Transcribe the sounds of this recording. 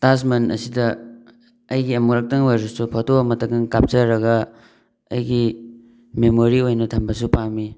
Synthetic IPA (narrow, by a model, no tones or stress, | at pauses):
tasmɐnʔɐ̰sidɐ | ɐjɡiɐmuɾɐk̚tɐŋwajɾusupʰɐtoɐmɐtɐkɐŋkap̚t͡ʃɐɾɐɡɐ | ɐjɡi | memoɾiojnɐtʰɐmbɐsupami